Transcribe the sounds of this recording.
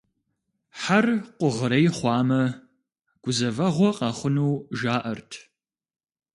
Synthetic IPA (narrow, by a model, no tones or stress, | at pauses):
ħarqʷʊʁəɾɐjχʷɑːmɐ | ɡ̥ʷʊzɐvɐʁʷɔqʼɑχʷʊnuːʒaːʔɐrtʰ